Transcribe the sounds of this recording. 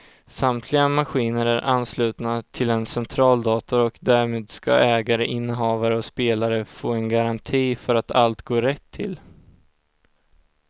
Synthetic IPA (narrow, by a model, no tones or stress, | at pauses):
samt̪ʰlɪɡamaɧiːnəɾæɾʔanːslʉ̟ːt̪nat̪ʰɪlɛnsɛnt̪ʰɾɑːld̪ɑːt̪ɔɾɔkd̪æɾmeːd̪ska̰ɛːɡaɾəʔɪnːəɦɑːvaɾəɔspeːlaɾəfoːɛnɡaɾant̪ʰiːfœɾat̪ʰalt̪ɡoːɾɛt̪ʰːɪ̰l